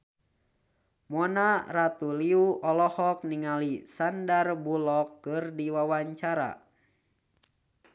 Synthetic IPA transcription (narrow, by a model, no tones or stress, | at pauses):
mɔnarat̪uliuʔɔlɔhɔk̚niŋalisandarbulɔkːɨrdiwawaɲt͡ʃaɾa̰